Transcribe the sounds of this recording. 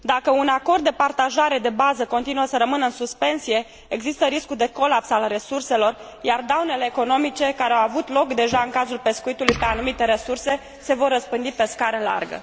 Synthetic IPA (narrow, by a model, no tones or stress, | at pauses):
d̪akəunako̞rd̪ːe̞part̪aʒaɾe̞d̪e̞bazəko̞nt̪inuəsəɾəmɨnəɨnsuspe̞nsije̞ | eɡzist̪əɾiskud̪e̞ko̞lapsalre̞surse̞lo̞r | jard̪awne̞le̞ːko̞no̞mit͡ʃe̞kaɾeawavut̪lo̞kd̪e̞ʒaɨŋkazulpe̞skuit̪ulujpe̞anumit̪e̞ɾe̞surse̞ | se̞vo̞rːəspɨnd̪ipe̞skaɾəla̰rɡə̰